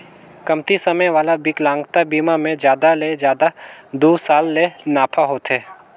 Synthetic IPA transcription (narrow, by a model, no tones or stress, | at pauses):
kɐmt̪isɐməjʋaːlabɪklãːŋɡt̪abiːmamẽd͡ʒjaːd̪aled͡ʒjaːd̪ad̪uːsaːlːenaːpʰaɦoːt̪eː